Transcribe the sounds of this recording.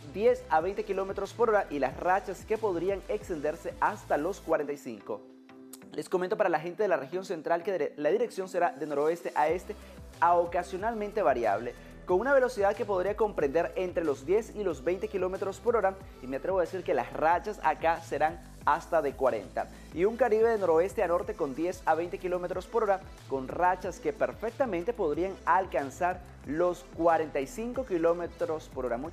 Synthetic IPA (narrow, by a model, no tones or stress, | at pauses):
d̪je̞saβejnt̪e̞kilo̞me̞t̪ɾo̞spoɾo̞ɾaʔilasrat͡ʃaskepo̞ðɾiaŋe̞kst̪e̞nd̪e̞ɾse̞ʔast̪alo̞skwaɾent̪ajsḭŋko̞̰ | le̞sko̞mẽnt̪opaɾalaxe̞nt̪e̞ðelare̞xjo̞nse̞nt̪ɾalkeðlaðiɾe̞ksjo̞nse̞ɾaðeno̞ɾo̞e̞st̪eʔae̞st̪e̞ | aokasjo̞nalmẽnt̪e̞βaɾja̰βle̞ | ko̞ŋunaβe̞lo̞siðaðke̞po̞ð̞ɾiako̞mpɾend̪e̞ɾent̪ɾe̞lo̞zd̪je̞silo̞zβe̞jnt̪e̞kilo̞me̞t̪ɾo̞spo̞ɾo̞ɾa | imeat̪ɾeβo̞ðesiɾke̞la̰srat͡ʃasa̰kase̞ɾaŋ | ast̪aðe̞kwaɾe̞̰nt̪a̰ | iuŋkaɾiβe̞ðeno̞ɾoe̞st̪eano̞ɾt̪e̞ko̞nd̪je̞saβe̞jnt̪e̞kilo̞me̞t̪ɾospoɾo̞ɾa | ko̞nrat͡ʃaske̞pe̞ɾfe̞k̚t̪amẽnt̪e̞po̞ð̞ɾiaŋalkansaɾ | lo̞skwaɾe̞nt̪ajsiŋko̞kilo̞met̪ɾo̞spoɾo̞ɾamu